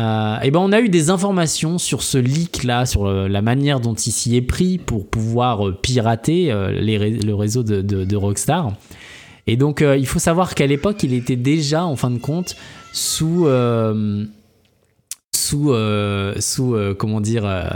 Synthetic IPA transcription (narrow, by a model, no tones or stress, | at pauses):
øebɛ̃ɔ̃nayd̪ezɛ̃fɔʁmasjɔ̃syʁsəliklasyʁlamanjɛʁd̪ɔ̃t̪ilsiɛpχipuʁpuvwaʁøpiʁat̪eø̰leʁeləʁezod̪əd̪əd̪əʁɔkst̪aʁ | ed̪ɔ̃køilfosavwaʁkalepɔkilet̪ɛd̪eʒaɑ̃fɛ̃d̪əkɔ̃t̪suøm | suøsuøkɔmɑ̃d̪iʁø̰